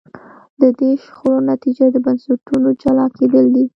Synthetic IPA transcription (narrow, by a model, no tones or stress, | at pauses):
d̪əd̪eʃxoɾonat̪id͡ʒad̪əbansʊʈunod͡ʒalɑked̪əld̪i